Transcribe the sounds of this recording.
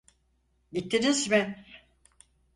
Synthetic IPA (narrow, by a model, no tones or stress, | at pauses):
ɟit̪ʰːinizmɪ